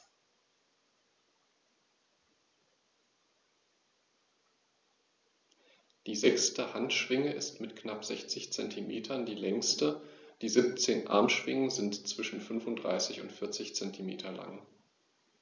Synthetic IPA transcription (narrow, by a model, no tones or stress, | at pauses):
d̥iːzɛkstəhantʃv̥ɪŋəʔɪstmɪtkʰnapz̥ɛçt͡sɪçt͡sɛntʰimḛːtʰɐndiːlɛŋstəd̥iːzɪp̚t͡seːnʔa̰ɐmʃv̥ɪŋəzɪntt͡sv̥ɪʃn̩fʏnfʊntd̥ʁa̰ɪsɪçʊ̰ntfɪɐt͡sɪçt͡sɛntʰimeːtʰɐla̰ŋ